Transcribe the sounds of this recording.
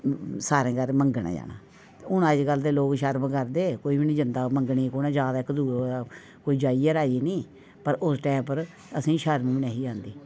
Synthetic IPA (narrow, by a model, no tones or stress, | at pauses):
saːɾẽːɡəɾməŋɡəɳa̰ːd͡ʒa̰ːna̰ː | ʊnəd͡ʒɡəld̪eːloːkʃəɾməkəɾd̪eːkoːiːbinĩːd͡ʒənd̪aːməŋɡɳiːkoːnẽːd͡ʒjaːd̪aːɪkːd̪uːɾaː | koːiːd͡ʒaːieːɾaːd͡ʒiːnĩː | pəɾʊsʈɛ̃ːpəɾ | əsĩːʃəɾmĩːbɪnaːɦiːd͡ʒãːnd̪iː